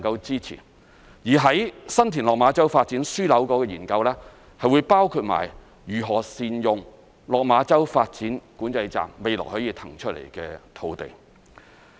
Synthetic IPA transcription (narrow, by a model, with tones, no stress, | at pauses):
ŋkɐ˧wt͡siː˥t͡sʰḭː˨˩ | jiː˨˩ɦɐ˨˥jsɐ˥nt̪ʰiː˨˩nlɔ˨k̚maː˨˥t͡sɐ˥wfaː˧t̚t͡siː˨˥nsyː˥lɐ˨˥wkɔː˨˥kɛː˧jiː˨˩nkɐ˧wlɛː˥ | hɐ˨jwuː˨˧jpaː˥wkʰuː˧t̚ma̰ː˨˩j | jyː˨˩ɦɔː˨˩siː˨njʊ˨ŋ | lɔː˨k̚maː˨˥t͡sɐ˥wfaː˧t̚t͡siː˨˥nkuː˨˥nt͡sɐ˧jt͡sa̰ː˨mːe˨jlɔ̰˨˩hɵ˨˥jiː˧t̪ʰɐ˨˩ŋt͡ʃʰɵ˥t̚lḛ˨˩jkɛː˧t̪ʰo˧wt̪ḛ˨˩j